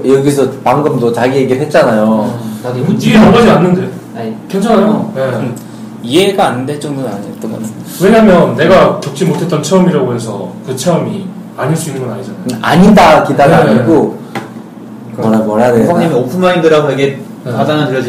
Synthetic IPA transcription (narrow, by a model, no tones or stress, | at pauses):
jʌɡisʰʌpaŋɡɯmdot͡ɕaɡieɡeɭɦe̞t̚t͡ɕ͈anajokaɾiiɡeʌɡad͡ʑianːɯnde̞ | aɲikent͡ɕʰanajoje | ie̞ɡaːnːɯndet͡ɕ͈ʌŋdɯna̰ɲeot͈ʌnɡʌ̰n | we̞ɲamjʌnːe̞ɡakjʌp̚t͡ɕ͈imotʰe̞t͈ʌnt͡ɕʰeʌmiɾaɡoɦe̞sʰʌkɯt͡ɕʰe̞ʌmi | aɲiɭs͈uinːɯnŋɡʌnaɲid͡ʑanajoaɲidakidaɾaɲik͈o | ʌɾamwʌɾadesŋɲimiʌpʰɯnmaindɯɾaɡoɦaɡe | kadaŋɯntɯɾjʌd͡ʑi